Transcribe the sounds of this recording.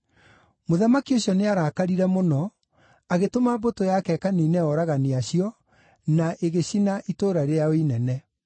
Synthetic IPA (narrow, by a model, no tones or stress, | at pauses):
moðamakioɕjɔneaɾaːkaɾiɾɛmonɔ | aɣetomabotojakɛkaneːnɛɔɾaɣaneaɕiɔ | naʔeɣeɕinaʔitoːɾaɾeaoinɛnɛ